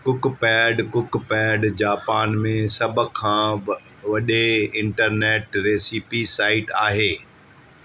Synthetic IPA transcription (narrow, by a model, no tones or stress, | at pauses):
kʊkpɛːɖkʊkpɛːɖd͡ʑaːpaːnmẽsɐbʱəkʰːãː | ʋɐɗeɪ̃ɳʈəɾneːʈɾeːsipisaːɪʈaːɦeː